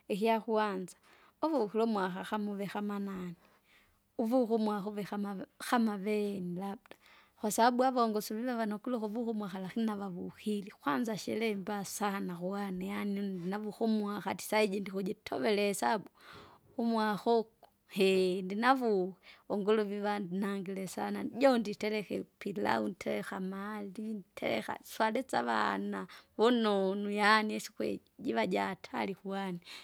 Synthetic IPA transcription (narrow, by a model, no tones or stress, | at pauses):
ixiaxuanzḁ | oβuxilomwaxaxamuβexamanani | uvuxumwaxuβɛxamaxamaβenilabdḁ | xwasabuaβoŋɡosuβiβaβanokuloxuβuxumwaxalaxinaβaβuxilixwanzaʃɛ̰lɛmbasahanaxuanajanidinaβuxumwaxati̥said͡ʒindixud͡ʒitʰo̰βelesabu | umwaxɔku | hɛndinavuhɛɔŋɡɔlɔviβanaŋɡilɛsanaɟɔnditɛlɛkɛ̰pila̰untʰɛlɛxamalintʰɛ̰lɛ̰xa̰swalɛt͡saβa̰naβɔnɔnujaniɛsi̥kwɛ̰ | ɟiβaɟatʰa̰likuani